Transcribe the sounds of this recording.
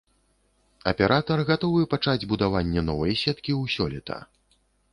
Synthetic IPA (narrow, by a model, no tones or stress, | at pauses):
ɐpʲɛɾʔat̪ɐrɣat̪ɔvɨpat͡ʂad͡zʲbud̪avanʲːɛnɔvɐjsʲɛt̪kʲiwsʲɔlʲɛt̪ʰɐ̰